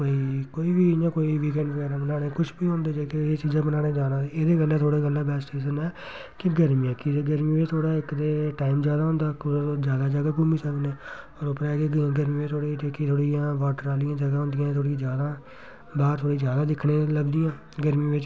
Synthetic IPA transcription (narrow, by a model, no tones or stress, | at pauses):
koːiːkoːiːʋiːnãːkoːiːʋiːk̬ɛ̃ːɳɖpɛːɾãbənaːɽeːkʊt͡ʃʰbiːɦõːnd̪eːd͡ʒeːkeːt͡ʃiːzãːbənaːɽeːd͡ʒaːd̪ãːeeːd̪eːɡəlãːt̪ʰoːɽeːɡəlːãːbɛːsʈeːsənɛː | kɪɡəɾmĩːãːkɪeɡəɾmĩːʋet͡ʃt̪ʰoːɽaːɪkd̪eːʈaːɪmd͡ʒjaːd̪aːɦʊ̃nd̪aːkod͡ʒjaːd̪aːd͡ʒəɡaːkuːmiːsəkneːɔːɾopːəɾɛːɡẽːɡəɾmĩːʋeːt̪ʰoːɽiːʈeːkit̪ʰoːɽiːãːʋaːʈəɾaːlɪjãːd͡ʒəɡaːɦʊ̃nd̪ɪjãːt̪ʰoːɽid͡ʒjaːd̪aː | baːɾt̪ʰoːɽiːd͡ʒjaːd̪aːd̪ɪkʰɽẽːləɡd̪ɪjãː | ɡəɾmĩːʋɪt͡ʃ